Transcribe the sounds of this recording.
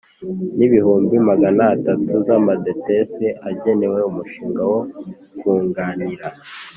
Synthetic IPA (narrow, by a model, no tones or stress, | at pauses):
niβihuːmbimaɡanaːtatʰuzamadeteseʔaɟe̞ne̞we̞umuʃiːŋɡawo̞ | kuːŋɡaːniɾa